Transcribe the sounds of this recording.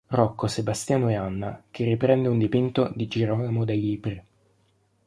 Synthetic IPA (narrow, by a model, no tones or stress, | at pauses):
rɔkːosebast̪jaːnoeanːak̟ʰerːipɾɛnd̪eund̪ipint̪od̪id͡ʒiɾɔnamod̪ejiːpɾi